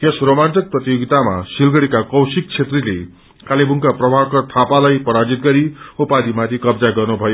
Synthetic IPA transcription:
jesromantʌk̚prʌt̪ijoɡit̪ama̰silɡʌɽikakʌwsik̚t͡sʰet̪rilḛ | kalibuŋkaprʌbʱabkʌt̪ʰapalajpʌɾad͡zit̪̚ɡʌɾiupad̪ʱimat̪ʰikʌbd͡zaɡʌrnubʱʌjo

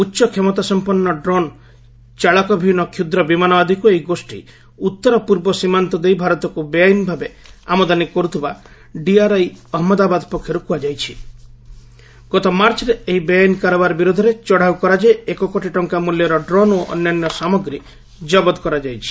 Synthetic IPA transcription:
utːʃɔkʰemɔt̪asɔmpɔnːɔɖɾɔn | t͡ʃaɭɔkɔbʱinɔkʰjud̪ɾɔbimanɔbad̪ʱikuejiɡosʈḭ | ut̪ːɔɾɔpuɾbɔsimant̪ɔd̪ejbʱaɾɔt̪ɔkubejajnbʱabe | amɔd̪anikɔɾut̪ʰiba | ɖiaɾajɔɦɔmɔd̪abad̪ɔpɔkʰːjɔɾukuad͡ʒajt͡ʃʰi | ɡ̥ɔt̪ɔmaɾt͡ʃɔɾeeɦibejajnkaɾɔbaɾɔbiɾud̪ʱɔɾet͡ʃɔɽ̤aukɔɾad͡ʒeekɔkoʈiʈɔŋkamuljɔɾɔɖɾɔnoʔɔ̰njanjɔsamɔɡɾi | d͡ʒɔbɔd̪ɔkɔɾad͡ʒajt͡ʃʰi̥

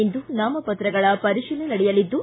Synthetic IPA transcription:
end̪unaːmɐpɐt̪ɾɐɡɐɭɐpɐɾiʂilenɐɽɛjɐlid̪ːu

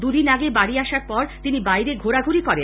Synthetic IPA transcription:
d̪ud̪inaɡebaɽiaʃaɾpɔɾt̪inibajɾeɡʱoɾaɡʱuɾikɔɾe

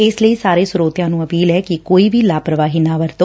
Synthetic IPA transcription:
eːsləisaːɾesʊɾoːt̪jãnũːəpiːlɦɛkikoːiʋilaːpɾəʋaːɦinaʋəɾt̪o

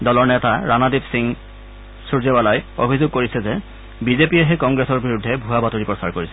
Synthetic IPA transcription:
dɔlɔɹnɛtaɹanadibsiŋ | suɹzebalajo̰bʱizoɡ̚koɹisɛzɛ | bizepijɛɦɛkɔŋɡɹesɔɹbiɹudʱːɛbʱuabatoɹipɹɔsaɹkoɹisɛ

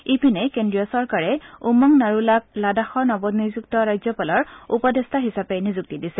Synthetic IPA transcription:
ipinɛkendɹijɔsɔɹkaɹɛumaŋnaɹulak̚ladaxɔɹnɔbɔdnizuk̚tɔɹajzɔpalɔɹupɔdestʰaɦisapɛnizuk̚tidisɛ

